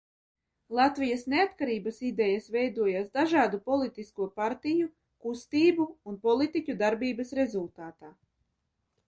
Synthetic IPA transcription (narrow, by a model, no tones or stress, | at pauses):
lˠat̪vijasneat̪kaɾiːbasid̪ɛjasvɛjd̪uɔjaːsd̪aʒaːd̪upɔlˠit̪iskuɔpaɾt̪iju | kust̪iːbuːnpɔlˠit̪icʲud̪aɾbiːbasɾezulˠt̪aːt̪aː